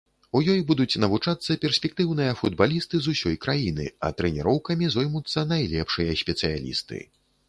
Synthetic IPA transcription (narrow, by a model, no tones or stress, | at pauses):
ujɔjbud̪ut͡sʲnɐvut͡ʂat̪sːɐpʲɛrsʲpʲɛk̚t̪ɨwn̪ɨjɐfud̪̚balʲist̪ɨzusʲɔjkɾajinɨ̰ɐ̰t̪ɾɛnʲɛɾɔwkɐmʲizɔjmut̪sːɐnajlʲɛpʂɨjɐsʲpʲɛt̪sɨja̰lʲḭst̪ɨ̰